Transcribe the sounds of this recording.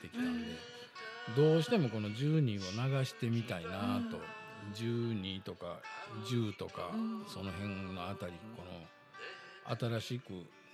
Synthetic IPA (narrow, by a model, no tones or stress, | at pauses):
t̪e̞kʲi̥nanod̪e | d̪o̞ːɕi̥t̪e̞mo̞ko̞no̞d͡ʑɨːɲ̟io̞naɡaɕi̥t̪e̞mʲit̪ainat̪o̞d͡ʑɨːɲ̟it̪o̞kad͡ʑɨːt̪o̞ka̰so̞no̞ɦẽ̞ŋnːo̞at̪aɾʲiko̞no̞ | a̰t̪aɾaɕikɯ̟̰